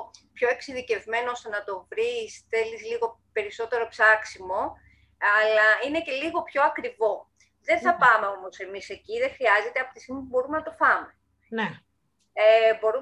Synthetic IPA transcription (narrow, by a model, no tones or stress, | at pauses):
pço̞e̞ksiðice̞vme̞noost̪e̞nɐt̪o̞vɾisθelisliɣo̞pe̞ɾiso̞t̪e̞ɾo̞psɐksimo̞ | ɐlɐine̞ce̞liɣo̞pço̞ɐkɾivo̞ | ðe̞nθɐpɐme̞o̞mo̞se̞mise̞ciðexɾiɐze̞t̪eɐpo̥t̪isimmepubo̞ɾumenɐt̪o̞fɐme̞ | ne | ebo̞ɾu